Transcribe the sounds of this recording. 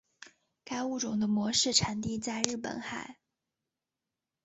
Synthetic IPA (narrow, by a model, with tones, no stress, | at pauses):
ka˥ɪu˥˩ʈ͡ʂʊ˨˩ŋd̪ə˦mwɔ˧˥ʂɻ̩˥˩ʈ͡ʂʰa˨˧˥nt̪i˥˧t͡sa˥˧ɪɻɻ̩˥˩pə̰˨˩nxa˨˩˦ɪ